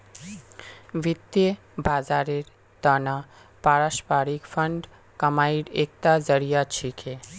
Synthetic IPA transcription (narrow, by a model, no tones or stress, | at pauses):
ʋit̪je | baːzaːɾeɾ | t̪əna | paɾaʃpaːɾikfʰəɳɖ | kəmaːiɽeːk̚t̪azəɾijat͡ʃʰikʰe